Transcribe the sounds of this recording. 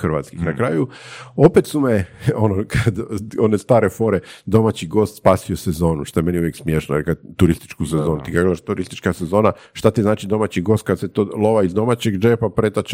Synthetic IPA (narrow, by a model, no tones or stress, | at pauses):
xrʋa̰t̪skixnakɾaːjuopet̪sumeo̞nokʰad̪o̞nest̪aːɾefo̞ːɾed̪o̞mat͡ɕiɡo̞ːst̪spaːsiosezo̞ːnuʃt̪oeme̞niujeksmjeʃnojeɾkad̪t̪uɾist̪i̥t͡ʃkuse̞zonut̪ikaɡodaʃt̪uɾist̪i̥t͡ʃkase̞zo̞ːna | ʃt̪at̪iznaːt͡ʃid̪o̞mat͡ɕiɡo̞ːst̪̚kad̪se̞t̪olˠo̞ʋaizd̪o̞mat͡ɕeɡd͡ʒepapɾet̪at͡ʃ